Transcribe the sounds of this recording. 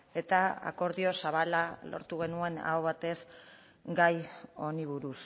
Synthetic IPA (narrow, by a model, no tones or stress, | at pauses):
e̞t̪aa̰ko̞ɾðio̞saβ̞alalo̞̰ɾt̪uɣ̞e̞nue̞na̰oβat̪e̞s | ɡajo̞niβ̞uɾus